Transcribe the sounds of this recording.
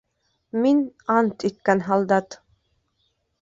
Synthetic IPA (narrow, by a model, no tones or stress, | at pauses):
minɑnt̪ʰit̪̚kænɦɑlˠd̪ɑt̪